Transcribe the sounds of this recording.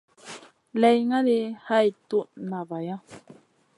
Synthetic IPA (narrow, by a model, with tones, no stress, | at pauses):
le˧jŋa˦ɾe˧ha˦jt̪u˦˨nã˨βa˨ja˦